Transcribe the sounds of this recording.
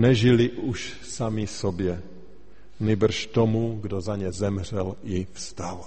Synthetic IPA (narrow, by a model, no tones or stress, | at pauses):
nɛʒɪlɪʔuʃ | samɪsobjɛ | ɲɪbr̩ʃt̪omuɡdozaɲɛzɛmr̝ɛlʔɪfst̪al